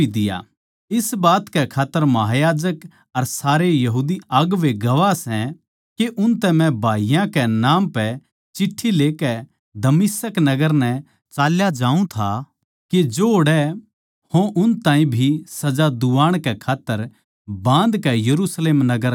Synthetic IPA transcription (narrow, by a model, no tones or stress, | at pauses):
id̪ɪja̰ | ɪsbaːt̪kɛkʰaːt̪ːəɾmɐɦaːjaːd͡ʒək | ɐɾsaːɾejɐɦuːd̪iɐɡʋeɡɐʋasɛ̃ | keʔʊnt̪ɛ̃mɛ̃bʱaːijãkɛnaːmpɛ | t͡ʃɪʈʰːileːkɛ | d̪ɐmɪsəknɐɡəɾnɛ | t͡ʃaːljad͡ʒãːũt̪ʰa | ked͡ʒoːɽɛ | hõʔʊnt̪ãːĩbʱisɐd͡ʒad̪uʋaːɽ̃kɛkʰaːt̪ːəɾ | bãːnd̪kɛjɐɾusleːmnɐɡəɾ